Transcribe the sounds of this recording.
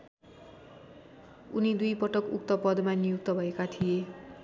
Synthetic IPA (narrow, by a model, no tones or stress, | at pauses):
unid̪ujpʌʈʌkṵk̚t̪ʌpʌd̪manijuk̚t̪ʌbʱʌekat̪ʰije